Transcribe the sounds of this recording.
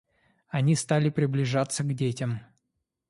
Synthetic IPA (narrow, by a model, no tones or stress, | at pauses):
ɐnʲist̪alʲɪpɾʲɪblʲɪʐat̪səɡdʲetʲɪm